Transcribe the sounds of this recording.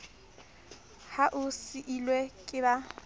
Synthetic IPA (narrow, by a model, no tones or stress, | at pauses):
haʔʊsɪʔilwekʼɪba